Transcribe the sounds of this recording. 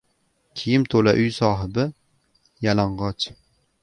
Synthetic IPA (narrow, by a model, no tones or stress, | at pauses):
kʲʰijɪmt̪ʰolaʔʊjsɒːɦɪbɪ | jalaɴʁɑt͡ʃ